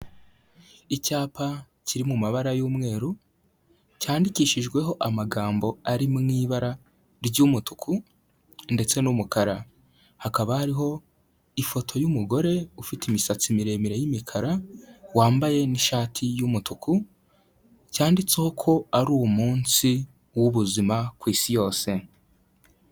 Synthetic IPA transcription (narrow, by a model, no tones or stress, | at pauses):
icaːpʰa | ciɾimumaβaɾajuːmŋe̞ːɾu | caːndiciːʃiʒɡwe̞ɦo̞ʔamaɡaːmbo̞aɾimŋiːβaɾa | ɾɟumutu̥kʰu | nde̞t͡se̞numukaɾa | hakaβahaɾiɦo̞ | ifo̞tʰo̞jumuɡo̞ɾe̞ufitimisat͡simiɾe̞ːmiɾe̞jimikʰaɾawaːmbaje̞niʃaːtʰijumutuku | caːndit͡seho̞kʰo̞aɾuːwumuːnsi | wuβuzimakwiːsijo̞ːse̞